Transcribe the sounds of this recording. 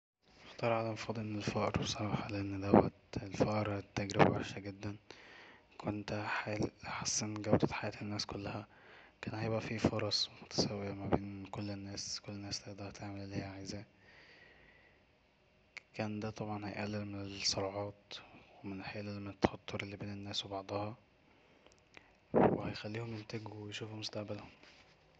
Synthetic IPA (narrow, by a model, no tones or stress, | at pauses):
ext̪ˤɑːɾˤʕalæmfɑːd̪ˤlʔenːelfæʔɑɾˤbsˤɑɑːħɑleʔenːd̪æwːæ̰t̪elfæʔɾˤet̪ːæɡɾebæbæħʃæɡed̪ːæn | kʰont̪ħalħasːenɡæwd̪æt̪ħajæːt̪enːæːskolːæhæ | kæːnhæjebʔæfifoɾˤɑsˤmot̪æ̥sæwːeæmæbeːnkolːenːæːskolːenːæːslæd̪ˤɑhæt̪eʕmellːiːhʕezæ | kæːnd̪æt̪ˤɑbʕɑnhæjʔælːelmenelsːoɾˤɑʕɑːt̪wemenħeːlelːmt̪ːæ̥ħɑt̪ˤːoɾelːibeːnenːæːswebɑʕd̪ˤɑhɑ | wehæjxælːiːhomjent̪æɡuwejʃuːfumost̪aʔbælhom